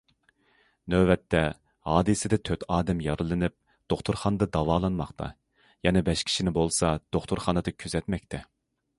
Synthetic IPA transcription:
nøbɛt̪ʰːɛ | hɑːd̪ɨsɪd̪ɛt̪ʰøt̪ʰɑːd̪ɛmjɑɾɨlˠɨnɪp̚ | d̪̥oχt̪ʰuɾχɑnɨd̪ɑd̪ɑwɑːlˠɑnmɑχt̪ʰɑ̰ | jɛnɛbɛʃkʲʰi̥ʃinɪbolˠsɑd̪̥oχt̪ʰuɾχɑːnɨd̪ɨkʲʰyzɛt̪mɛkʲt̪ʰɛ

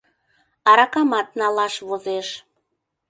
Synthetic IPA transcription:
ɑɾɑkɑmɑt̪̚nɑlɑʃβozeʃ

